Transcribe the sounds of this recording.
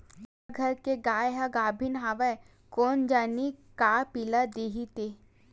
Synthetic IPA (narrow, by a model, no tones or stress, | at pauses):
ʋɐɡʱɐɾkeɡaːjɦaɡaːbʱɪnɦaːʋɛ | kɔːnd͡ʒaːnikaːpilad̪eːɦit̪e